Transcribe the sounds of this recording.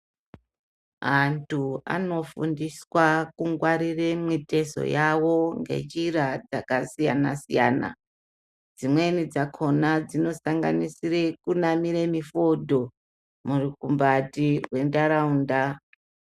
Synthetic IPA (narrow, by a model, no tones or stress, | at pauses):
ɦantʰua̰no̞fundiswakuŋɡwaɾiremwite̞so̞̰jawo̞ŋɡe̞̰d͡ʒiɾad͡zakasijanasija̰ːna̰ | d͡zimwe̞nid͡zakʰo̞nad͡zino̞saŋɡa̰nisirekunamiɾemifodʱo̞ | murikumbatiwendaɾauːnda